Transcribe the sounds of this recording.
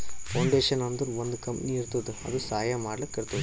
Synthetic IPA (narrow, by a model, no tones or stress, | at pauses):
fɐːɳɖeːʂɐnɐnd̪ɯɾɔnd̪ɯkɐmpniɪɾɯt̪ːɐðɯɐ̰ðɯsaːjamaːɽɐlɐkːɐɽɐt̪ːɐðɯ